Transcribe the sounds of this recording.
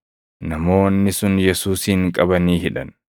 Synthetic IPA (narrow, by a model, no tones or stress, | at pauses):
nɐmo̞ːnːɪsʊnjɛsuːsiːŋkʼɐbɐniːhɪᶑɐ̰n